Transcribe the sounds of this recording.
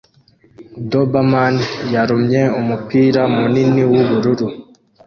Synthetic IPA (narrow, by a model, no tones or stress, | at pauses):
dobamanjaɾumɲeumupiːɾamuniniwuβuɾuɾu